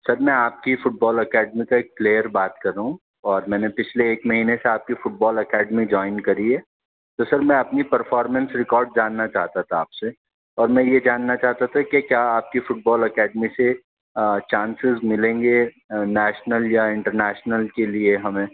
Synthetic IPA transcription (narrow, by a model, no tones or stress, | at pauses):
sɐɾmɛ̃aːp̚kifʊʈ̚bɔːlɐkɛːɖmikaeːk̚pleːjəɾbaːt̪kɐɾaɦũ | ɔːɾmɛ̃ːnepɪt͡ʃʰleːkmɐɦiːneseaːp̚kifʊʈ̚bɔːlɐkɛːɖmid͡ʒɔːɪnkɐɾiɦɛː | t̪osɐɾmɛ̃ɐpnipɐɾfɔːɾmɛ̃nsɾɪkɔːɾɖ̚d͡ʒaːnːat͡ʃaːɦt̪at̪ʰaːpse | ɔːɾmɛ̃ːjed͡ʒaːnːat͡ʃaːɦt̪at̪ʰakekjaːaːp̚kifʊʈ̚bɔːlɐkɛːɖmise | t͡ʃãːnsɪzmɪlẽːŋɡe | nɛːʃnəljaɪ̃ɳʈəɾnɛːʃnəlkelieɦɐmẽː